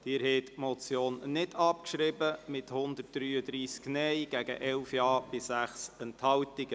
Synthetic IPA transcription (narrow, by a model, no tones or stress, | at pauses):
d̪̥ɪːɾhɛːt̪mɔt͡sjoːnːɪdɑp̚kʃɾɪbəmɪthʊnd̪ət̚d̥̪ɾyːəd̪ɾiːsknɛjɡ̥æɡ̥ə̰ʔɛlfjɑːb̥ɪsæχsɛnthɑltiɡ̥ə